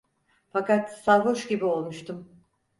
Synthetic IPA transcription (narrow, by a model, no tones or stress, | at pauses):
fakat̪salɦoʃɟibio̞lˠmuʃt̪ʰum